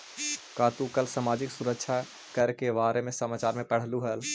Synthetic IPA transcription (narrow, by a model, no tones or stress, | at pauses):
kaːt̪ukɐlsamaːd͡ʒɪksʊɾəkʃʰa | kɐɾkebaːɾʔemẽsɐmaːt͡ʃaːɾmẽpəɽ̤luɦɛl